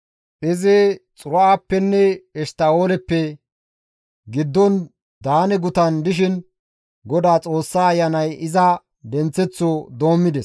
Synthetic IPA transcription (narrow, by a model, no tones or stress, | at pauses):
ʔɪzɛt͡sʼʊɾɔaːpːɛnːɛɛst̪aoːlɛpːɛ | ɡɪd̪ːɔn | d̪aːnɛɡʊt̪ɐnd̪ɪʃ̬ɪn | ɡɔd̪aːt͡sʼo̞ːsːaːɐjːɐnɐjɪzɐ | d̪ɛnt͡sːɛt͡sːod̪o̞ːmːɪd̪ɛs